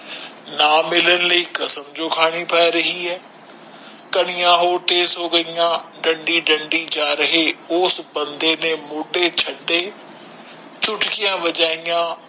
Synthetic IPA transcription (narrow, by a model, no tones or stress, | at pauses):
naːmɪlənɪ̆ləiːkɐsəmd͡ʒoːkʰaːɽ̃ipʰaːeɾɐɦiɦɛː | kɐɽ̃ɪjãɦoːʈeːsɦoːɡɐijãɖɐ̃ɳɖiɖɐ̃ɳɖid͡ʑaːɾɐɦeoːsbɐ̃nd̪enẽmʊːɖet͡ɕʰɐɖe | t͡ɕʊʈkijãʋɐd͡ʒaːijãː